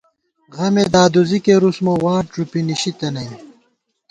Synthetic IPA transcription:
ɣɐmed̪aːd̪uzikeɾusmowaːʈɾupiniɕit̪ɐnɐj

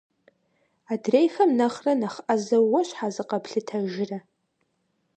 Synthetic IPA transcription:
adrejxɐmnaχranaχʔazawːaʃʷħazɨqapɬɨtʰaʒɪra

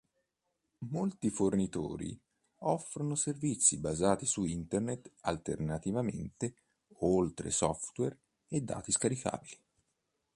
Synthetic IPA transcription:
molt̪ifornit̪o̰ːɾḭ | ɔfɾonoservit̪sːibazaːt̪isuint̪ernet̪alt̪ernat̪ivamḛnt̪e | olt̪ɾḛsɔft̪wɛr | ed̪ːa̰ːt̪iskaɾika̰ːbili

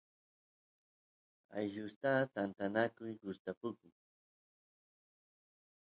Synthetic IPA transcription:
a̰jʒʊst̪at̪ant̪anakʊjɢʊst̪apʊkʊŋ

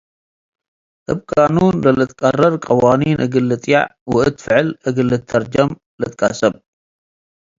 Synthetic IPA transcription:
ʔɨbkʼanunlɐlɨt̪ʼkʼɐrɐɾkʼɐwaninʔɨɡɨlːɨt̪ʼja̰ʕwʊʔɨt̪fɨʕɨlʔɨɡɨlːɨt̪ʰːɐɾd͡ʒɐm | lɨt̪kʼasɐb

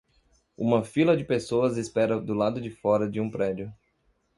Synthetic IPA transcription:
ṵ̃mɐfilɐd͡ʒɪpesoɐzɪspɛɾɐd̪ʊlad̪ʊd͡ʒɪfɔɾɐd͡ʒɪũpɾɛd͡ʒiʊ

